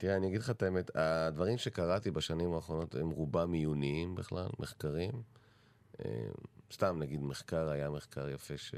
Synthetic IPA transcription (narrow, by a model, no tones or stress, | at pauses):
t̪iʁeaniaɡidlχat̪aemet̪ad̪vaʁimʃekaʁat̪ibaʃanimaːχʁo̞no̞t̪emʁubamijuniimbeχla̰lmʔeχkaʁim | ḛmst̪amnaɡid̪meχkaʁajameχkaʁjafe̞ʃe